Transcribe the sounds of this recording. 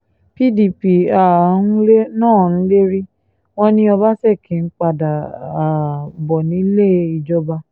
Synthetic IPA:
pi˦di˨pi˨a˨˦n̩˦le˦nãː˦˨ñ̩˨˦le˦ɾi˦ | w̃ɔ̃˦nĩ˧˦ɔ˧ba˦sɛ˦˨kĩ˨˦n̩˦k͡pa˧da˨a˨bɔ˨nĩ˨˦le˦˨i˧d͡ʒɔ˧ba˧

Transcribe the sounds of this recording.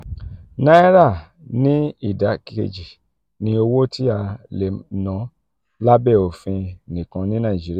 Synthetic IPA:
na˦ɛ˦ɾa˦˨ | nĩ˦i˦˨da˨˦kḛ˧d͡ʒi˨ | nĩ˧o˧wo˦tʰi˦a˧le˨nɔ̃˨˦ | la˦bɛ˦˨o˨fĩ˧nĩ˨kã˧nĩ˦nã˦˨d͡ʒi˦ɾi˦˨

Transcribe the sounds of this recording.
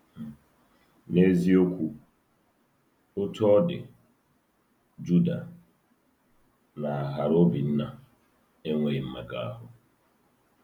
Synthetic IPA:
ne˦zi˦o˦kʷu˦ | ʊ˦tɔ˦ɔ˦dɪ̰˨ | d͡ʒu˦da˨ | na˨a˨ɦa˨ɾo˦bi˨n̩˦na˨ | e˦ŋʷe˨i˨m̩˦me˨ɡa̰˦a˦ɦʊ˨

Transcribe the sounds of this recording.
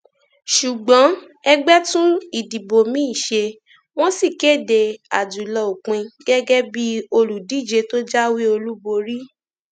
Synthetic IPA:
ʃu˨ɡ͡bɔ̃˨˦ | ɛ˧ɡ͡bɛ˦tũ˦i˦˨di˨bo˨mĩ˦˨ʃe˧ | w̃ɔ̃˦si˦˨ke˦˨de˧˨a˨du˨lɔ˧˨o˨k͡pĩ˧ɡ̥ɛ˦ɡɛ˦bi˦o˧lu˨di˨˦˨d͡ʒe˧to˦d͡ʒa˦wi˦o˧lu˦bo˧ɾi˦

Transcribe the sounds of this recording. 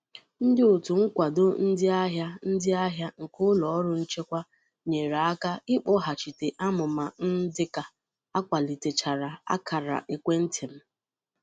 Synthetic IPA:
n̩˦dɪ˦ʊ˨tu˨ŋ̩˦kʷa˨dʊ˦n̩˦dɪ˦a˦ɦja˦n̩˦dɪ˦a˦ɦja˦ŋ̩˨kʊ˦lɔ˨˦ɾʊ˦n̩˦t͡ʃe˦kʷa˦ | ɲe˨ɾa˨a˦ka˦ɪ˦k͡pɔ˦ɦa˨t͡ʃi˨te˨ʔa˦mʊ˨ma˨n̩˦dɪ˦ka˨ | a˦kʷa˨li˨te˨t͡ʃa˨ɾa˨a̰˦kʰa˨ɾa̰˨ʔe˨kʷe˦n̩˦tʰɪ˨m̩˦

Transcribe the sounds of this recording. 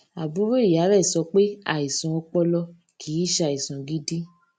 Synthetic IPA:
a˨bũ˨˦ɾo˦i˦˨ja˨˦ɾɛ˦˨sɔ˧˦k͡pe˦a̰˦˨i˨sã˨ɔ˧k͡pɔ˧lɔ˧ | kʰi˨˦˨ʃe˧a˨i˨sɔ̃˨ɡi˦di˦

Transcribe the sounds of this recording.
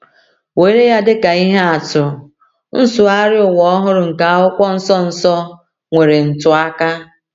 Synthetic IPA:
we˨˦ɾe˦ja˦dɪ˦ka˨i˦ɦe˦a˨tʊ˨ | n̩˦sʊ˨a˦ɾɪ˦ʊ˨wɔ˦ɦʊ˦ɾʊ˨ŋ̩˨ka˨a˦ʊ˦kʷɔ˦n̩˦sɔ˦n̩˨sɔ˦ | ŋʷe˨ɾe˨n̩˨tʊ˦a˦ka˦

